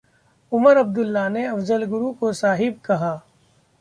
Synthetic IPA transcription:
ʊməɾɐb̚d̪ʊlːaneɐfzəlɡʊɾukosaːɦɪb̚kɐɦaː

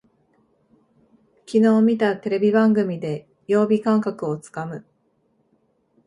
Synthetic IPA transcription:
kʲino̞ːmʲit̪at̪e̞ɾe̞bʲibãŋɡɯ̟mʲid̪e̞ | jo̞ːbʲikãŋkakɯ̟o̞t͡sɨ̥kamɯ̟

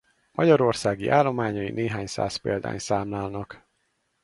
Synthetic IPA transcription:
mʔɒɟɒɾo̞rsaːɡiʔaːlːo̞maːɲɒjineːɦaːɲsa̰ːspeːld̪a̰ːɲsaːmlaːlnɒk

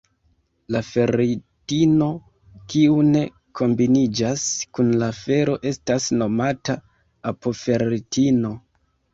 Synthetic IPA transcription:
lafe̞ɾitino̞ | kiune̞ | kʰo̞mbinid͡ʒaskunlafe̞ɾo̞ʔe̞stasno̞mata | apo̞fe̞ɾitino̞

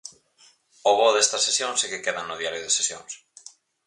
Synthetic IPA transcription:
oβoðest̪ɐsesjõŋsekɪkeðɐnʊðiaɾjʊðesesjoŋs

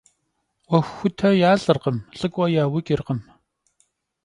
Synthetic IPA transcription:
wɐxːʷʊtʰɐjaːɮɨrqəmɬʼɨkʷʼɐjaːwɪkʲʼɪrqəm

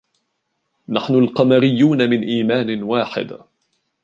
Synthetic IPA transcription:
naħnʊlqɑmaɾɪjːuːnamɪnʔiːmaːnɪwaːħɪ̰d̪

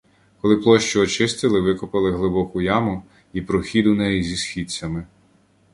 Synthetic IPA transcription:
kɔlˠɪplˠɔʃt͡ʃɔɔt͡ʃɪst̪ɪlˠɪʋɪkɔpɪlˠɪɦlˠɪbɔkʊjɑmʊ | ipɾɔxʲid̪ʊnɛjizʲisxʲit͡sʲːɐmɪ

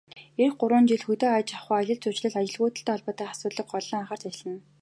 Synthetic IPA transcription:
erxɢʊɾwʊːnt͡ɕiɮxɵt̪oːajt͡ɕaχʊːaɮʲə̆ɮt͡sʊt͡ɕɮɘ̆ɮat͡ɕɪ̆ɮɣʊːt̪ɘ̆ɬt̪æːɔɮpɔːt̪æːχḁsʊːt̪ɮə̆k̚ɢɔɮɞ̆ŋaχăr̥t̪ʰat͡ɕ̆ɮə̆n

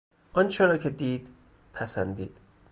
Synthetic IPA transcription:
ʔɒnt͡ʃʰeɾɒːcʰe̞d̪iːd̪̥ | pʰæsænd̪iːd̪̥

